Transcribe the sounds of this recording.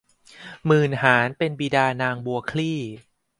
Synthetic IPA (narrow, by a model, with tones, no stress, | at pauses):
mɯː˧˩nhaː˩˦npe˧nbiː˧daː˧naː˧ŋbu˧ɐkʰliː˥˩